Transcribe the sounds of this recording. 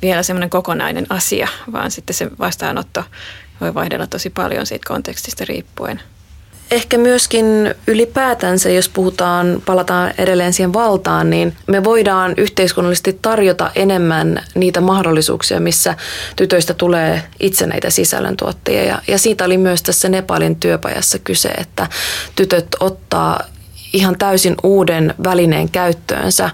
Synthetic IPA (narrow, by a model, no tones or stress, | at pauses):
ʋielæsemːoneŋkokonɑ̰inḛnɑsḭɑʋɑ̰ːnsit̪ːeseʋɑst̪ɑ̰ːnot̪ːo | ʋoiʋɑihdelːɑt̪osipɑ̰ljo̰nsḭːt̪ko̰nt̪ekst̪i̥st̪ɑrḭːpːuḛn | ehkæmyøskinylipæːt̪ænsæjospuhut̪ɑːnpɑlɑt̪ɑːnʔedelːeːnsiːheʋʋɑlt̪ɑːnninmeʋo̞idɑːnyht̪eiskunːɑlːise̥st̪it̪ːɑrjot̪ɑ̰ʔe̞nemːænniːt̪æmɑhdolːisṵːksiɑ̰misːæt̪yt̪øist̪æt̪uleːʔit̪senæ̰it̪æsisæ̰lːø̰nt̪ṵot̪ːejɑ̰jɑ̰jɑsiːt̪æolimyøst̪æsːænepɑ̰lint̪yøpɑ̰jɑ̰sːɑkysḛḛt̪ːæt̪yt̪øt̪o̞t̪ːɑ̰ː | ihɑnt̪æysinʔuːdenʋælinḛːŋkæyt̪ːø̰ːnsæ̰